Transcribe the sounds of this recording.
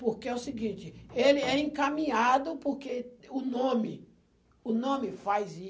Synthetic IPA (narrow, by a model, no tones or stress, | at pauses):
poɾkeɛʊsɪɡĩt͡ʃɪelɪɛẽkamĩad̪ʊpoɾkeʊnõmɪ | ʊnõmɪfajzi